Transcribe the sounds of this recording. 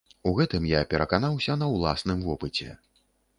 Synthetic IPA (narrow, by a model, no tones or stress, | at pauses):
uɣɛt̪ɨmjapʲɛɾɐkanawsʲɐnɐwlˠa̰snɨmvɔpɨt͡sʲɛ̰